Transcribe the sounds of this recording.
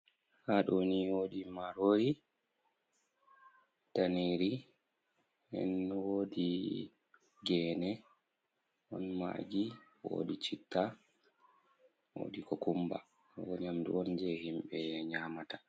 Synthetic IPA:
haɗɔniwoɗimaɾoɾi | taneɾi | hɛ̰nwoːdi | ɡɛːnɛ | ʔɔ̰nma̰ɡiwo̰dit͡ʃitʰːa | wo̰ːdikɔkumba̰ | wɔɲamdṵɔnd͡ʒɛhimɓɛɲaːmata

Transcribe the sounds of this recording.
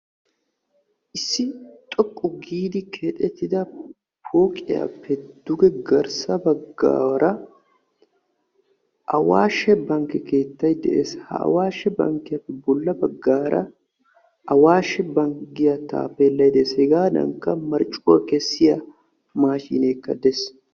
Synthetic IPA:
ʔɪsːɪt̪ʼɔkʼːʊɡiːd̪ɪkʰeːt̪ʼɛt̪ːɪd̪ɐ | pʰoːkʼɪjɐ̰pːɛd̪̥ʊɡɛɡɐɾsɐbɐɡːa̰ːɾɐ | ʔɐwaːʃɛbɐŋkɛke̞ːt̪ːɐjd̪ɛ̰ʔḛshɐ̰ɐ̰waːʃɛbɐ̰ŋkɪɐpːɛbʊlːɐbɐɡːaːɾʔɐ̰ | ʔɐwaːʃɛbɐŋɡɪjɐt̪a̰ːfelːɐjd̪eshɛɡaːd̪ɐ̰ŋkːɐmɐɾt͡ʃʼuwɐkɛsːɪjɐ | maːʃḭːneːkːɐd̪ɛs

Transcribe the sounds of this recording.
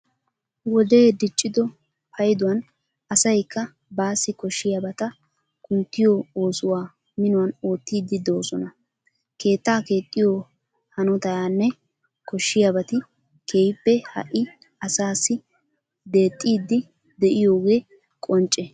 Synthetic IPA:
wɔd̪e̞ːd̪ɪt͡ʃʼːɪd̪ɔ | pʰɐjd̪ʊwɐn | ɐsɐjkːɐ | baːsːɪkɔʃːɪjabɐt̪ɐ | kʊnt̪ːɪjoo̞ːsʊwaː | mɪnʊwɐno̞ːt̪ːiːd̪ːɪd̪o̞ːsɔnɐ | ke̞ːt̪ːaːke̞ːt̪ʼːɪjo | hɐnɔt̪ɐjaːnːɛ | kɔʃːɪjabɐt̪ɪ | kʰe̞ːjpːɛhɐ̰ʔɪ | ɐsaːsːɪ | d̪e̞ːt̪ʼːiːd̪ːɪ | d̪ɛʔɪjo̞ːɡe̞ː | kʼɔnt͡ʃʼːɛ

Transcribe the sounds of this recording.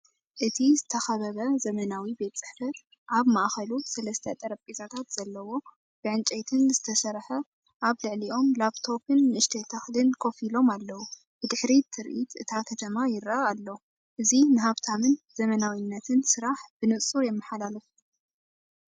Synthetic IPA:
ʔɨt̪ʰizɨt̪ʰɐxɐβɐβɐzɐmɐnawibe̞t̪t͡sʼɨ̥ħfɐ | ʔaβmaʔxɐlusɐlɐst̪ʰɐt̪ʼɐɾɐpʼizat̪ʰat̪z̥ɐlːɐwo̞ | b̥ɨʕɨnt͡ʃʼejt̪ʰɨnzɨt̪ʰɐsɐɾħɐ | ʔaβlɨʕliʔo̞mlaβt̪ʰo̞pɨnːɨɨʃt̪ʰet̪ʰaxlɨnkʰo̞filo̞malːɐwu | b̥ɨd̪ɨħɾit̪ʰɨɾʔit̪ʔɨt̪ʰakʰɐt̪ʰɐmajɪɾaaːlːo | ʔɨzinɨɦaβt̪ʰamɨnzɐmɐnawinːɐt̪ʰɨnsɨɾaħb̥ɨnɨʔsʼuɾjɛmːɐħalalɨf

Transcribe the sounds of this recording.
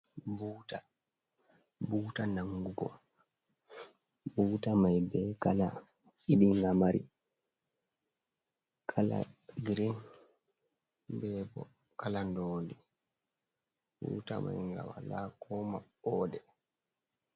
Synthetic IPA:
buːta | buːtanaŋɡuɡɔ̰ | buːtamajbɛkala | iɗiŋɡamaɾḭ | kʰala̰ɡɾin | bɛːbɔ | kalandoːndi | bṵːta̰ma̰jŋɡa̰walaːkɔmaɓɔːdɛ

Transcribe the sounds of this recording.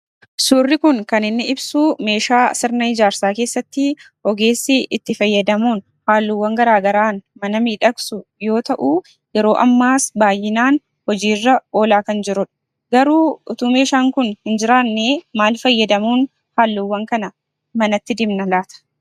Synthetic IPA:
suːrːɪkʊŋkɐnɪnːɪɪbsuːme̞ːʃaːsɪɾnɐɪd͡ʒaːɾsaːke̞ːsːɐt̪ːɪ | ɔɡe̞ːsːɪʔɪt̪ːɪfɐjːɐd̪ɐmuːn | haːlːʊwːɐŋɡɐɾaːɡɐɾaːnmɐnɐmiːᶑɐksʊjo̞ːt̪ɐʔuː | jɛɾo̞ːʔɐmːaːsbaːjːɪnaːn | hɔd͡ʒiːrːɐo̞ːlaːkɐnd͡ʒɪɾʊᶑɐ̥ | ɡɐɾuːʊt̪uːme̞ːʃaːŋkʊnhɪnd͡ʒɪɾaːnːeːmaːlfɐjːɐd̪ɐmuːn | haːlːʊwːɐŋkɐnɐ | mɐnɐt̪ːɪd̪ɪmnɐlaːt̪ɐ̥

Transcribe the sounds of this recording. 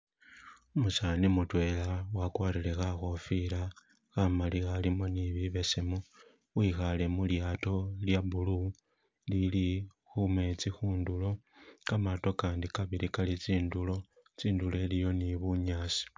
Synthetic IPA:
umusanimutwe̞lawakwaːɾile̞xaxo̞fila | xamalixalimo̞niβiβe̞semu | wixale̞muljaːto̞ljabulu | lilixume̞t͡sixuːndulo̞kamato̞kaːndikaβilikalit͡siːndulo̞ | t͡siːndule̞lijo̞niβuɲaːsi̥

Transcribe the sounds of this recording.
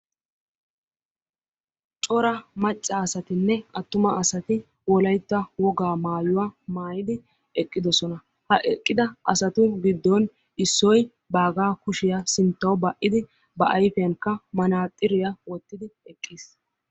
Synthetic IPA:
t͡ʃʼɔɾɐmɐt͡ʃʼːɐːsɐt̪ɪnːɛɐt̪ːʊmɐʔːsɐt̪ɪ | wɔlɐjt̪ːɐwɔɡaːmaːjʊwamaːjɪd̪ɪ | ɛkʼːɪd̪ɔsɔnɐ | hɐʔɛkʼːɪd̪ɐʔɐsɐt̪ʊɡɪd̪ːɔn | ɪsːɔj | baːɡaːkʊʃɪjɐsɪnt̪ːɐwbɐʔːɪd̪ɪ | bɐʔɐjfɛjɐŋkːɐmɐnaːt̪ʼːɪɾɪjɐwɔt̪ːɪd̪ɪɛkʼːis

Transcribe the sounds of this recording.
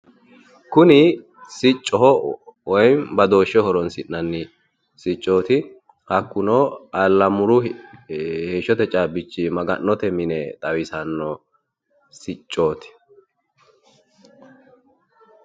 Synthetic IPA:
kʊnɪ | sɪt͡ʃʼːɔɦɔwɔjmbɐd̪o̞ːʃːɔhɔɾɔnsɪʔnɐnːɪ | sɪt͡ʃʼːo̞ːt̪ɪ | hɐkːʊnoːɐlːɐmʊɾʊ | heːʃːɔt̪ɛt͡ʃʼaːbɪt͡ʃːɪmɐɡɐ̰nːɔt̪ɛmɪnɛt̪ʼɐwɪsɐnːɔ | sɪt͡ʃʼːoːt̪ɪ̥

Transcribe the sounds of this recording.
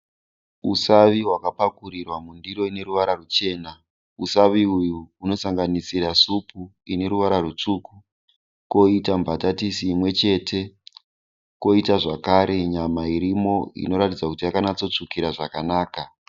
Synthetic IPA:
usaʋiɦwakapakuɾirwamundiro̞ine̞ɾuʋaɾarut͡ʃe̞ːna | usaʋiujuːno̞saŋɡanisiɾasupuine̞ɾuʋaɾarut͡ʂuku | ko̞itambatatisiːmwe̞t͡ʃe̞tʰe̞ | ko̞itaʐakaɾʔe̞ɲamaiɾimo̞ḭno̞ɾatid͡zakutijakanat͡so̞t͡ʂukiɾaʐakanaːka

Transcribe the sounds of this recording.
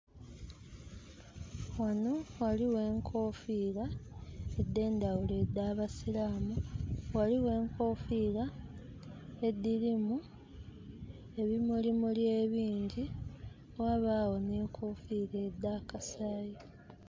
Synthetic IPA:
wano̞waliwe̞ːŋkʰo̞ːfiːla | ed̪ːe̞ːndawule̞ːd̪ːaːβasilaːmuwaliwe̞ːŋkʰo̞ːfiːla | e̞d̪ːilimu | e̞βimulimuljeːβiːɲɟi | owaβaːwo̞ne̞ːŋkʰo̞ːfiːleːd̪ːaːkasaːji

